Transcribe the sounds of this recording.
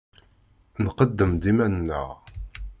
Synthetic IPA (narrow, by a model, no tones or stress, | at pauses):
nqəd̪ːəmd̪imænnːə̰ʁ